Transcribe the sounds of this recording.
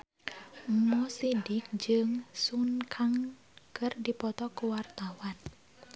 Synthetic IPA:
mɔsidɪk̚d͡ʒɨŋsunkʰaŋ | kɨrdipɔt̪ɔkuwart̪awan

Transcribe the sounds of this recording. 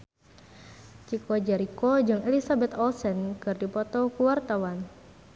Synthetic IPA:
t͡ʃikɔd͡ʒɛɾikɔd͡ʒɨŋelisabɛt̪ɔlsɛnkɨrdipɔt̪ɔkuwart̪awan

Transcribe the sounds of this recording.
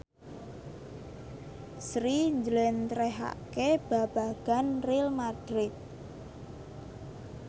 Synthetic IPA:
sɾiɲd͡ʒəlɛnt̪ɾɛɦa̰keb̥a̤b̥a̤ɡ̥a̤nrɪlmad̥ɾɪt̪̚

